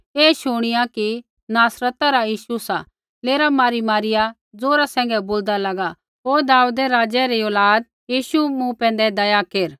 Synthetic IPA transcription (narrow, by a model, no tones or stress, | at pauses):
eːʃʊɽ̃ɪjaki | naːsɾət̪aɾajiːʃusa | leːɾamaːɾimaːɾɪja | d͡zoːɾasɛ̃ːŋ̆ɡɛboːld̪alɐɡa | ɦoːd̪aːuːd̪ɛɾaːd͡ʒɛɾioːlaːd̪̚ | jiːʃumũpɛ̃ːnd̪ɛd̪ɐjakeɾ